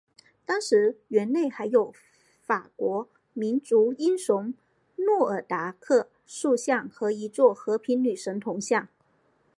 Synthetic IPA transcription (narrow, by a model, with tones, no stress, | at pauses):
t̪ɑ˥ŋʂɻ̩˧˥ɥɛ˧˥nne˥˩ɪxa˧˥ɪjo˨˩ʊ | fa˨˩kwɔ˧˥ | mi˧˥nʈ͡ʂu˧˥i˥nʂʊ˧˥ŋ | nwɔ˥˩ə˞˨˩t̪a˧˥kʰɤ˥˧ | ʂu˥˧ɕjɑ˥˩ŋxɤ˧˥i˧˥t͡swɔ˥˩xɤ˧˥pʰi˧˥nny˨˩ʂə˧˥ŋt̪ʰʊ˧˥ŋɕjɑ˥˩ŋ